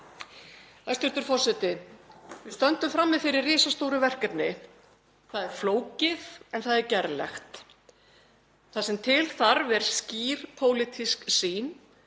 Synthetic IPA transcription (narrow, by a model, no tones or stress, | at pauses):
ast̪ʏɾ̥t̪ʏɾfɔr̥sɛt̪ɪvɪst̪œnt̪ʏmfɾamːɪðfɪɾɪrrɪːsast̪owɾʏvɛr̥kɛt̪nɪ | θaðɛɾ̥floːwcɪðɛnθaðɛɾcɛɾlɛ̰xt̪ | θasɛmt̪ʰɪlθaɾvɛɾ̥sciːɾ̥pʰowlɪt̪ʰisksiːn